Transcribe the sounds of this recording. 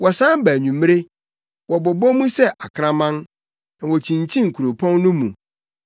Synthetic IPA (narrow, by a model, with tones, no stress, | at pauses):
wɔ˨sã˦m˦bæː˨ɲũ˨m˦ɾe˦ | wɔ˨bɔ˨bɔ˦mũ˦sɛ˦ʔa˨kʰɾã˦mã˦n | nã˨wɔ˨t͡ɕʰĩ˨ɲ˨t͡ɕʰĩ˦ŋ̩˨kʰu˨ɾo˨pʰɔ̃˦nː˦nʊ̃˦mũ˨